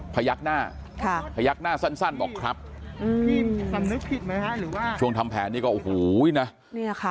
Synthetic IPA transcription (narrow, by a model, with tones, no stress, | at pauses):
pʰa˧ja˦˥k̚naː˥˩ | kʰa˥˩pʰa˧ja˦˥k̚naː˥˩sa˥˩nsa˥˩nbɔː˨˩kʰɾa˦˥p̚ʔɯː˧pʰiː˧˩sa˨˦mnɯ˦˥k̚pʰi˨˩t̪̚ma˦˥jka˦˥ɾɯː˩˦waː˥˩t͡ɕʰu˥˩əŋt̪ʰa˧mpʰɛ̰ː˩˦nːiː˥˩kɔː˥˩ʔu˨huː˩˦˨na˦˥ | ni˥˩kʰa˦˧˩